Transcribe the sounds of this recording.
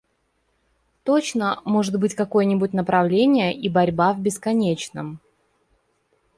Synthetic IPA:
t̪ot͡ɕnəmo̞ʐɨt̪̚bɨtʲkɐko̞jənʲɪbʊt̚ʲn̪əpɾɐvlʲenʲɪjəʔibɐɾʲbavʲbʲɪskɐnʲet͡ɕnəm

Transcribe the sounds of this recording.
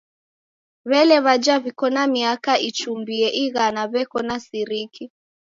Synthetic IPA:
βɛlɛβad͡ʒaβikɔnamiakaʔit͡ʃumbiɛʔiɣanaβɛkɔnasiɾiki

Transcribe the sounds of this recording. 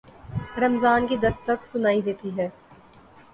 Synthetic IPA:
ɾɐmzaːnkid̪ɐst̪əksʊnaːid̪eːt̪iɦɛː

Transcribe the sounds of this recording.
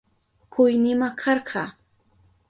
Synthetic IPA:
kʊjnɪmakʰɑɾɢʰɑː

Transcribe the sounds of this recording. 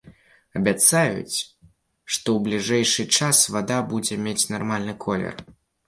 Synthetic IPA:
ɐbʲat̪sajṵt͡sʲ | ʂt̪ɔwblʲiʐɛjʂɨt͡ʂasvad̪abud͡zʲɛmʲet͡sʲnarmalʲnɨkʰɔlʲɛ̰r

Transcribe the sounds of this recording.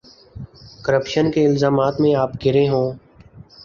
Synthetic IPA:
kəɾəpʃənkeːɪlzaːmaːt̪mẽaːpɡʱɪɾẽːɦõː

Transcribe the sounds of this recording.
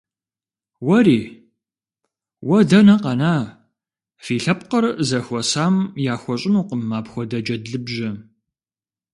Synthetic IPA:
wɐɾiː | wɐdɐnɐqɐnaː | fiːɬɐpqərzɐxʷɔsaːmjaːxʷɔɕʼɪnuːqəmːaːpxʷɔdɐd͡ʒɐdɮɨbʒɐ

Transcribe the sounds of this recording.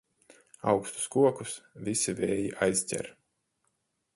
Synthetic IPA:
awkst̪u̥skuɔkusvisiveːjiʔajsʲtʲɛ̰ɾ

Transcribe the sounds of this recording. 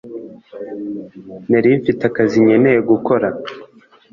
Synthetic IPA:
naɾiɱfitakaziɲe̞nejeɡuko̞ɾa

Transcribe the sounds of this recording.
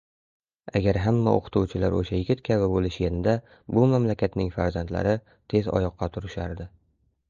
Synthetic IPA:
aɡʲaɾɦamːa̰ʔo̰qʰɨ̥t̪ʰuwt͡ʃʰɪlaɾoʃajɪɡʲɪt̪̚kʲʰaβɪbolɪʃjenɪd̪a | bʊmamlakʲʰat̪nɪŋfaɾzant̪la̰ɾɪ | t̪ʰe̞zɒ̰jɒqʰːɑt̪ʰʊɾɪʃaɾd̪ɪ

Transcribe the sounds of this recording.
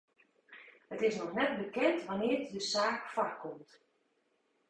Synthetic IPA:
hətɪsnɔxnɛt̚bəkɛntʋanɪːrdəsaːkfarkʰɔmt

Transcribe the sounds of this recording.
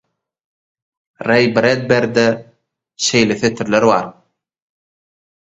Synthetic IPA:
rejbɾed̪̚beɾd̪e | ʃejleθet̪ʰiɾleɾβɑ̰ɾ

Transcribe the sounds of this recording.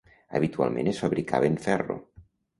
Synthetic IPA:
ə̰βit̪ua̰lˠmẽnesfaβɾika̰βeɱfɛro̰

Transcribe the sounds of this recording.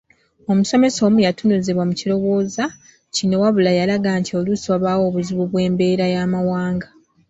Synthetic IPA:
o̞muso̞me̞so̞ːmujatunuzeβwamucilo̞βo̞ːza | cino̞waβulajalaɡaːntʰio̞lusoβawo̞ːβuziβuβwe̞ːmbe̞ːɾajaːmawaːŋɡa

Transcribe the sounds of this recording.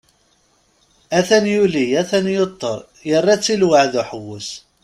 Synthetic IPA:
æθænjulijæθænjot̪ˤːəɾˤ | jərˤːæt͡sːilwəʕðʊħwːʊs

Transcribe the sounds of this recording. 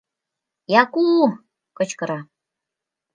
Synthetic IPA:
jɑku | kɤ̆t͡ɕkɤ̆ɾɑ

